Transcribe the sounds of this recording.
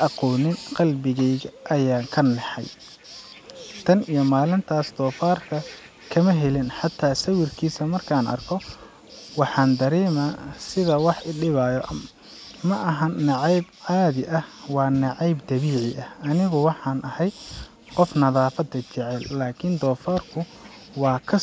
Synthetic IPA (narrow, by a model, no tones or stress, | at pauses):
ʔɑqɔːnɪnqɑlbɪɣɛjɣɐʔɐjaːŋkʰɐnːɛħɑ̰j | t̪ʰɐnijɔmaːlɪnt̪ʰaːsd̪̥ɔːfaːrkʰɐ | kʰɐmɐɦɛlɪnħɑt̪ʰːaːsɐwɪrkʰiːsɐmɐrkʰaːnɐ̰rkʰɔ | wɑħɑːnd̪ɐɾɛːmasɪðɐwɑħɪɖɪβajɔʔ | mɐʔɐɦɐnnɑʕɑjbʕaːðɪʔɐhwɑːnɑʕɑjbd̪ɐβiːʕɪʔɐhɐnɪɣʊwɑħɑːnʔɐhɛj̪ | qɔfnɐðaːfɐd̪ɐt͡ʃɪʕɛlːaːkʰɪnd̪ɔːfaːrkʰʊ | wɑːkʰɐ